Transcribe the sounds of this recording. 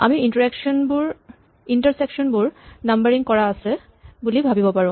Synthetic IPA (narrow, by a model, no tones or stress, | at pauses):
a̰miintɔɹɛkʃɔnbuɹ | intəɹsɛkʃɔnbʊɹnambəɹiŋkɔɹaːsɛ | bulibʱabibɔpaɹʊ̃